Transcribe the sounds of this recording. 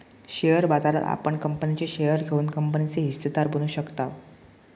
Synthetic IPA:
ɕejəɾbad͡z̪aɾə̰ɾa̰pəɳkəmpənit͡ɕeɕejəɾɡʱeuːnkəmpənit͡seɦist̪et̪aɾbənuːɕəkt̪aʋ

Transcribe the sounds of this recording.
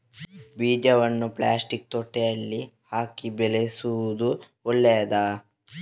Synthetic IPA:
biːd͡ʒɐʋɐnːuplaːsʈik̚t̪oʈːejɐlːihaːkibelesuʋud̪u | ɔɭːejɐd̪aː

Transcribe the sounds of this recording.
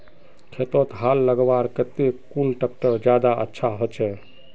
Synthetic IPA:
kʰet̪ot̪ɦalːəɡbaɾkət̪ekulʈək̚ʈəɾd͡ʒjad̪aʔə̰tːʃʰaɦot͡ʃʰɛ

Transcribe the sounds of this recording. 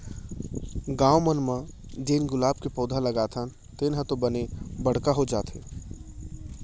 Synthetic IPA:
ɡãːomənmə̃ | d͡ʒeːnɡʊlaːb̚kepɔːd̪ʱalɐɡaːt̪ʰə | t̪eːnɦə̃t̪obənebəɽ̤kaɦod͡ʒaːt̪ḛ

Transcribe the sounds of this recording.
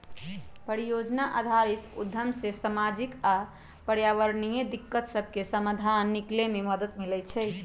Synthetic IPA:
pəɾijod͡ʒnaʔa̰d̪ʱaɾit̪ṵd̪ʱːəmsesamad͡ʒika | pəɾjaʋəɾnijed̪ikːət̪səbʱkesəməd̪ʱanːiklememəd̪ət̪milɛt͡ʃʰɛ

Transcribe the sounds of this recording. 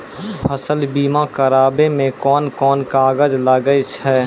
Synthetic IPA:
pʰəsəlbiːmãkəɾaːbemẽkɔːnkɔːnkaːɡəd͡ʒlaɡəet͡ʃʰɛː

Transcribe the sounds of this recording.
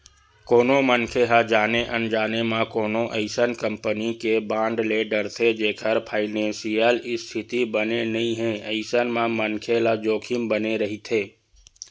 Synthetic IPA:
koːnõmənkʰeɦad͡ʒaːneʔənd͡ʒaːnemãkoːnõʔə̰ɪsənkə̃mpənikebãːɳɖleːɖəɾt̪ʰed͡ʒeːkʰəɾpʰaːɪnẽːnsijəlɪst̪ʰɪt̪ibənenəɦĩɦɛ̃əɪsənmãmənkʰelad͡ʒoːkʰimbəneɾəɦit̪ʰeː

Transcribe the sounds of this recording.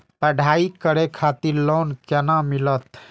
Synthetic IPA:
pəɖʱaikəɾekʰat̪iɾlonkenamilət̪

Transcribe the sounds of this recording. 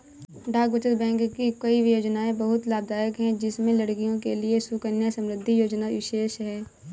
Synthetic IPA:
ɖʱaːkʋət͡ʃət̪bɛ̃ːŋkkikɐiʋjoːd͡ʒnaːẽbɐɦʊt̪laːb̚d̪aːjəkɦɛ̃d͡ʒɪsmẽlɐɽkijõkeliesukənjasə̃mɾɪd̪ʱːijoːd͡ʒnaʋɪʃeːʃɦɛː

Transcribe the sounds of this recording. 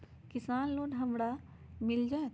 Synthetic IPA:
kɪsaːnloːnɦɐmɽa | mɪld͡ʒaːe

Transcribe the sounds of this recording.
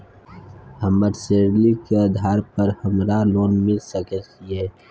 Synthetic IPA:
həmbəɾseːɾlikeəd̪ʱaːɾpəɾhəmɾaloːnmɪlsəkɛt͡ʃieː

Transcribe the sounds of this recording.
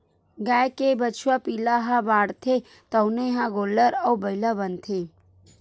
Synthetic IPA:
ɡajkebət͡ʃʰwapilaɦãbaːɽt̪ʰe | t̪əwneɦãɡoːləɾɐwbəilabənt̪ʰe

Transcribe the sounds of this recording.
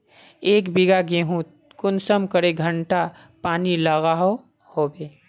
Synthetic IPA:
eːkbɪɡaɡeːɦũ | kʊnsəmkəɾeɡʱə̃ɳʈa | paːnilaːɣaɦo | hoːbeː

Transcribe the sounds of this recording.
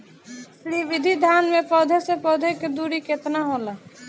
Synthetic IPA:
sɾiʋɪd̪ʱid̪ʱjaːnmẽpɔːd̪ʱesepɔːd̪ʱeked̪uːɾiket̪naɦoːlaː

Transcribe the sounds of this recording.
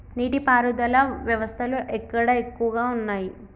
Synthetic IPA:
niːʈipaːɾud̪ɐlɐʋjɐʋɐst̪ʰɐluʔekːɐɽɐekːuʋɐɡaːunːaːji

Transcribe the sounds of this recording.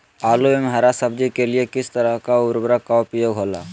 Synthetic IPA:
aluemɦaɾasəb̚d͡ʒikeliekɪst̪əɾəɦkaʊɾbɾəkaɔpɾəjoːɡʱɦoːla̰

